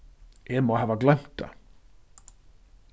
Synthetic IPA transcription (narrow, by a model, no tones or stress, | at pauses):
ɛmoɦɛːvaklɛm̥t̪a̰